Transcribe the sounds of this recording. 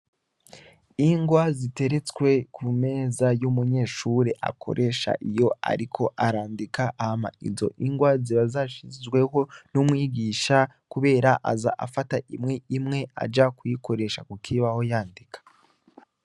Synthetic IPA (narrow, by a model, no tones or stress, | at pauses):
iŋɡwazite̞ɾe̞t͡swe̞kʰume̞ːzajumuɲe̞ːʃuɾeʔa̰kʰo̞̰ɾʔe̞ʃa̰ʔijo̞a̰ɾikʰo̞ʔaɾaːndikaʔːhama̰ḭzo̞̰ʔiŋɡwaziβazaʃizɡwe̞ho̞numŋiːɡiːʃa | kuβe̞ːɾaʔa̰za̰ʔa̰fataʔimŋe̞imŋe̞a̰d͡ʒakujiko̞ɾe̞ʃakukʰiβaho̞jaːndikḁ